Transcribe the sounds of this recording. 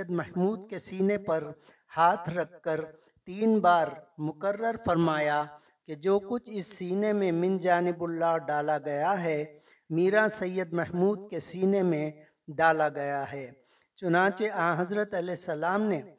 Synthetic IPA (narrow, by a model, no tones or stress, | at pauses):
əd̪mɛɦmuːd̪kesiːnepɐɾ | haːt̪ʰɾɐkːəɾ | t̪iːnbaːɾmʊkəɾːəɾfɐɾmaːja | ked͡ʒoːkʊt͡ʃʰɪsːiːnemẽmɪ̃nd͡ʒaːnɪbʊlːaːɖaːlaɡɐjaɦɛ | miːɾasɐjːəd̪mɛɦmuːd̪kesiːnemẽ | ɖaːlaɡɐjaɦɛː | t͡ʃʊnãːt͡ʃeʔaãɦɐzɾət̪ɐlɛːsːɐlaːmne